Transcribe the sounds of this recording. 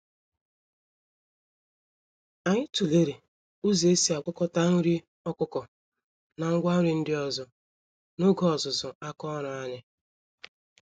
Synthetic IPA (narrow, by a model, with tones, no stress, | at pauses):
a˨ɲɪ˦tu˨le˦ɾe˨ | u˦ze˨e˦si˦a˨kʷʊ˦kɔ˦ta˦ŋ̩˦ɾi˦ | ɔ˦kʷʊ˦kɔ˨ | na˨ŋ̩˦ɡʷa˦ɾi˨n̩˦dɪ˦ɔ˨zʊ˨ | no˦ɡɔ˦ɔ˨zʊ˨zʊ˨a˦kɔ˦ɾʊ˨a˦ɲɪ˦